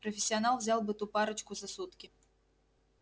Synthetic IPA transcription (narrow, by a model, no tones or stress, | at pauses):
pɾɐfʲɪsʲːianalˠvzʲalˠbɨt̪upaɾɐt͡ʃkʊzɐsut̪kʲi